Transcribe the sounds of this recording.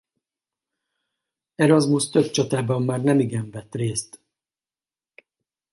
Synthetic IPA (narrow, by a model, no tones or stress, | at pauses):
ɛɾɒzmust̪ø̞bt͡ʃɒt̪aːbɒmːaːrnɛmiɡɛɱvɛt̪reːst̪